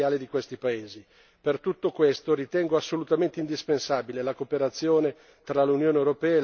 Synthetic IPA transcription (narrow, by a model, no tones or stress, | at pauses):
aːled̪ikwest̪ipaeːzi | pert̪ut̪ːokwest̪oɾit̪ɛŋɡoasːolut̪ament̪eind̪ispensaːbilelakopeɾat̪sːjoːne | t̪ɾalunjoːneewɾopɛːa